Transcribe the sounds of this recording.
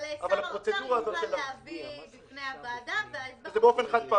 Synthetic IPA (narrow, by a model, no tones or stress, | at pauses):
avalhappʁot͡sed̪uʁaːzotʃela | zebeofenχad̪̚pa